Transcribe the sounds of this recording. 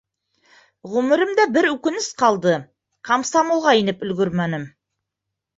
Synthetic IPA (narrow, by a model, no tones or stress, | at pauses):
ʁɵmɘ̆ɾɘmd̪æbɘɾʉkɘ̆nɘsqɑlˠd̪ɤ | qʰamsamolˠʁɑinɘpɵ̆lɡɵɾmænɘm